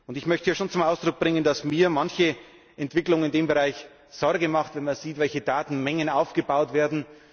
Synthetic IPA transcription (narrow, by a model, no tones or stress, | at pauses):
ʔʊntɪçmœçtəjaːʃoːnt͡sʊmʔaʊsd̥ʁʊk̚b̥ʁɪŋəndasmiːɐmançə | ʔɛntv̥ɪklʊŋənɪndeːmbəʁaɪç | z̥ɔɾɡəmaχtv̥ɛnmanz̥iːtvɛlçədaːtn̩mɛŋənaʊfɡ̥əbaʊtv̥eːɐdn̩